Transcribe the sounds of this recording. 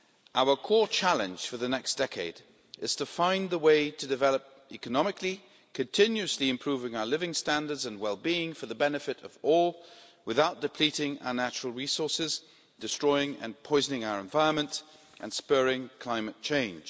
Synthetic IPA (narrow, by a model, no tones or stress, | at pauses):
ʔaʊə˞kʰɔɹt͡ʃʰælˠɨ̃nd͡ʒ̥fə˞ðɨnɛksd̥ɛkʰeɪd | ɨz̥tʰəfãɪ̃nðəweɪɾɨdɨvɛlˠəp̚ | ikɨnɑmɨkʰli | kʰɨ̃ntʰɪ̃njʉɨsliɨ̃mpʰɹ̥ʉvɪ̃ŋaʊə˞lɪvɪ̃ŋstæ̃ndə˞dzɨ̃nwɛlˠbiɪ̃ŋfə˞ðəbɛnɨfɨɾʌvɔlˠ | wɨθaʊt̚d̥ɨpʰl̥iɾɪ̃ŋa̰ʊə˞næt͡ʃɹl̩ˠɹisɔɹsɪz | d̥ɨstɹ̥ɔɪɪ̃ŋɨ̰̃npʰɔɪznɪ̃ŋaʊə˞ɨ̃ɱvaɪɹə̃nmə̃nt | ʔɨ̰̃nspɜɹɪ̃ŋkʰl̥ãɪ̃mɨt̚t͡ʃʰẽɪ̃nʒ̥